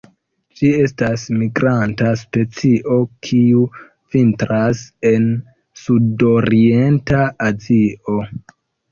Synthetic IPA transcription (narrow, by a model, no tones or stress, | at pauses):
d͡ʒie̞stasmiɡɾantaspe̞t͡siʔo̞kʰiu | v̥intɾase̞n | sudoɾie̞ntaaziʔo̞